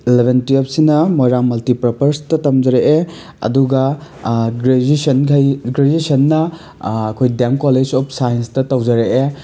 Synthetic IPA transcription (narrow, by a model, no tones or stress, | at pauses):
ilebʱentiep̚sinɐmoɾaŋmɐltipɾɔpɐɾstɐtɐmd͡ʒɐɾeʔe | ɐ̰duɡɐ | ɾesɐnkʰɐjɡɾed͡ʒisɐnːɐ | ɐkʰojdemkɔled͡ʒɔp̚ʰsajenstɐtɐwd͡ʒɐɾeʔe